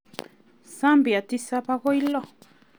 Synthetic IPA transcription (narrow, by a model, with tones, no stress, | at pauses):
sa˦mbi˨a˨t̪i˦sa˦pa˦ɣo˦jlo˦